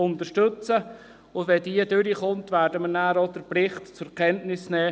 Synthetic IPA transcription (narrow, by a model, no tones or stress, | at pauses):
ʊnt̪əʃtɵt͡sə | ʊvɛdiədʏɾiχʊntvæːɾdəmənæːɾodəɾplɪχtt͡sʊkʰɛntnɪsnɛː